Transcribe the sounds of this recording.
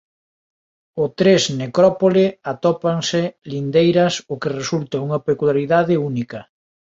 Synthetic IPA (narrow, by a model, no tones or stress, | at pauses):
ʊt̪ɾesnekɾɔpolɪat̪ɔpaŋsɪlind̪ejɾɐsʊkeresult̪ɐuŋɐpekulaɾiðaðɪunikɐ